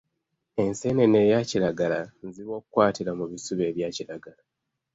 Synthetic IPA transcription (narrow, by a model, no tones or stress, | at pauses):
e̞nsenene̞jaːciɾaɡalanziβo̞ːkukwaːtiɾamuβisuβe̞ːβjaːciɾaɡala